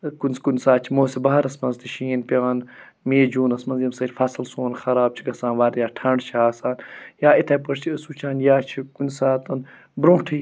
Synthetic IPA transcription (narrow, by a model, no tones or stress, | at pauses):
kunʲskunsaːt͡ʃʰimoːsebɐɦɐɾɐsmɐnzt̪iʃiːnpʲaːn | meːd͡ʒuːnɐsmɐnzjɐmsɐt͡ʃʲfɐsɨlsoːnxɐɾaːb̚t͡ʃʰiɡɐsãːnʋaːɾjaːʈʰɐɳɖt͡ʃʰaːsaːnjaːit̪ʰɐpɐɾt͡ʃʰiəsut͡ʃʰaːnjaːt͡ʃʰikunsaːt̪ɐn | bɾõːʈʰi